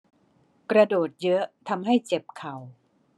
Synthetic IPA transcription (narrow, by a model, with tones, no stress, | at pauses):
kɾa˧doː˨˩t̪̚jɤ˦˥t̪ʰa˧mɦa˥˩jt͡ɕe˨˩p̚kʰa˨˩w